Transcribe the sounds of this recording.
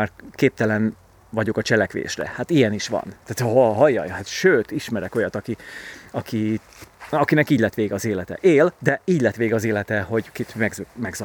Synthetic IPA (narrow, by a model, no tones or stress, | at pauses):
arkeːp̚t̪ɛlɛn | vɒɟo̞kɒt͡ʃɛlɛkʋḛːʃrɛ̰hat̪ijɛniʃʋɒ̰nt̪at̪ɦoɦɒjːɒ̰jhat̪ʃøːt̪iʃmɛɾɛko̞jɒt̪ɒkiɒki | ɒkinɛkiːɟlɛt̪ʋeːɡɒzeːlɛt̪ɛ̰ʔeːld̪ɛiːɟʲlɛt̪ʋeːɡɒzeːlɛt̪ɛho̞ɟkit̪mɛɡmɛɡzɒ